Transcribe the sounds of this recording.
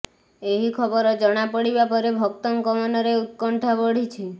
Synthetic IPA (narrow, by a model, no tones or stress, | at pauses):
eɦikʰɔbɔɾɔd͡ʒɔɽ̃apɔɽibapɔɾebʱɔkt̪ɔŋkɔmɔnɔɾeut̪̚kɔɳʈʰabɔɽ̤it͡ʃʰi